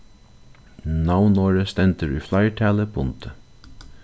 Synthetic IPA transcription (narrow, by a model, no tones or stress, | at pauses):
nɑʊnoːɹəst̪ɛnt̪əɹʉ̰ːflɑɪʈʰæːləbʊnt̪ʰə